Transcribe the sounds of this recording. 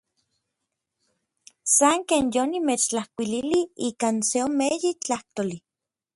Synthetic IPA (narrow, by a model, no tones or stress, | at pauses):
saŋkeːnjonimet͡ʃt͡ɬahkʷililiikaːnseomejit͡ɬaht̪oli